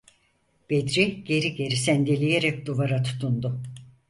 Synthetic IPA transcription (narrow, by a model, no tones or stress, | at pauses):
b̥ed̪ɾiɟ̥e̞ɾiɟe̞ɾisænd̪elʲijeɾɛk̚d̪uvaɾat̪ʰu̥t̪ʰund̪ʊ